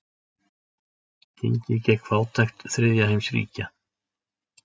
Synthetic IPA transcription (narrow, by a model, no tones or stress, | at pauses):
cʰɪ̰ɲcɪcɛkʰvaːwt̪ʰajxt̪θɾɪðjaɦejmsɾḭːca